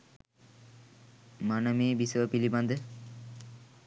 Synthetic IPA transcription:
manamibisoopiliband̪e

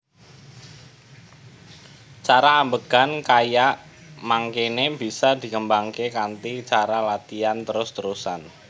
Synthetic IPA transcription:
t͡ʃaɾaːmbəɡ̥ankajaʔ | maŋkenebi̤sad̪i̤kəmbaŋkekant̪it͡ʃaɾalat̪iant̪əɾʊst̪əɾusan

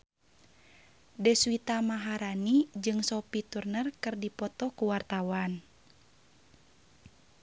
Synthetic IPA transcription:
dɛswit̪amaɦaɾanid͡ʒɨŋsɔpit̪urnərkɨrdipɔt̪ɔkuwart̪awan

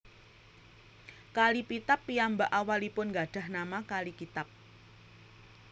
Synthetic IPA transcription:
kalipit̪apːiambaʔawalipʊnɡaɖ̥a̤hnamakalikit̪ap̚

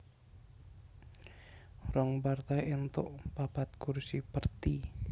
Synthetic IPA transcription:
rɔŋpart̪ajent̪o̰ʔpapat̪̚kursipərt̪i

